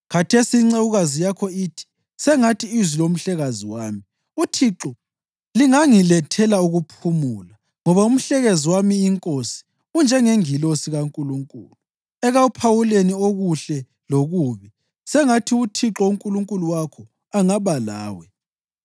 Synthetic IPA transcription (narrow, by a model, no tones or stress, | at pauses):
ɣatʰesiːŋ͡ǀawuɣazijakʰɔiːtʰi̥ | sɛŋatʰiːzilom̩ɬɛɣaziwaːmi | utʰiǁɔ | liŋaŋilɛtʰɛlauɣupʰumula | ŋɔβaum̩ɬɛɣeziwamiːŋkʼosi̥ | und͡ʒʱɛŋeŋilosiɣaŋkʼuluŋkʼṵːlu | ɛɣaupʰawulenioɣuɬɛ | loɣuːβi | sɛŋatʰiutʰiǁɔuŋkʼuluŋkʼuluwakʰɔ | aŋaβala̰ːwɛ